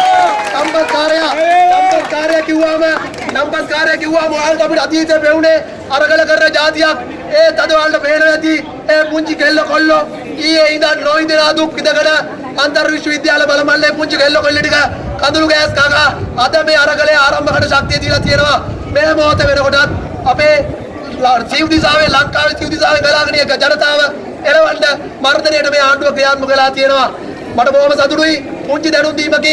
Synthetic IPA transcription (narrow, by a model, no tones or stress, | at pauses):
nɐmbɐkaːɾjanɐmbɐd̪kaːɾjakiuaːmɛ | nɐmbɐd̪kaːɾjakiuaːmɐaːlʈ̪ɐmiʈɐt̪iːt̪epeːune | ɐɾɐɡɐlekɐɾːed͡ʒaːt̪ijaːk̪̚ | eːt̪ɐd̪ʋaːlʈɐmeːɽɐnɐt̪i | eːpuɲd͡ʒiɡelːokolːo | iːeĩnd̪aloːĩnd̪enaːd̪uːp̚kid̪ɐkɐd̪ɐ | ɐnt̪ɐɾʋɪʃɐʋɪd̪jaːlɐbɐlɐmɐlnepʊɲd͡ʒiɡelːokolːiʈikɐ | kɐnd̪uluɡɛjɐskakaɐd̪ɐmeɐɾɐɡɐleaːɾɐmbʱɐkɐʈːɐʃɐk̚t̪ijɐt̪ilat̪ijenɐʋaː | meɦmɔːt̪ɐʋenɐkoʈɐt̪ | ɐpeː | t͡ʃiːʋd̪is̬aːʋelɐŋkːaːlt͡ʃiːʋd̪isaːʋeŋɡɐlaːkɐnijɐɡd͡ʒɐnɐt̪aːʋɐ | eɾɐʋɐlːɐ | mɐɾd̪ɐnijɐʈɐmeːaːɖuʋɐkɾijaːt̪muɡelaːt̪ijenɐʋaː | mɐʈɐboːmɐsɐd̪uɽuipuɲt͡ʃid̪ɛnund̪iːmɐke